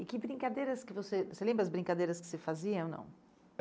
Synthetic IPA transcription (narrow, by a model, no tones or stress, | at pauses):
ɪkɪbɾĩkad̪ejɾɐskɪvosevselẽmbɾɐzbɾĩŋkad̪ejɾɐskɪ̥sɪfaziɐɐ̃nɐ̰̃w̃